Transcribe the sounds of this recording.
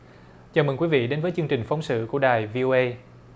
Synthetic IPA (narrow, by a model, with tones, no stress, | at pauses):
t͡ɕaː˨˩mə̰˨˩ŋkwi˨˦vḭ˧˨ɗe˨˦nvəː˨˦jt͡ɕɨ˧əŋt͡ɕï˨˩ŋ̟fa˨˦wŋ͡msɨ̰˧˨ku˧˩ə˦ɗaː˨˩jvi˧ʔo˧ʔə˧j